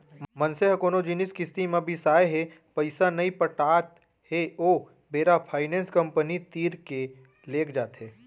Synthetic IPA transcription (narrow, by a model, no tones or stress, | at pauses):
mɐnseɦkoːnod͡ʒinɪskɪst̪imãbʱisaːeɦe | pɐɪsanɐĩpəʈaːt̪ | heoː | beːɾapʰaːɪnẽːnskɐ̃mpənit̪iːɾke | leːkʰd͡ʒaːt̪ɦeː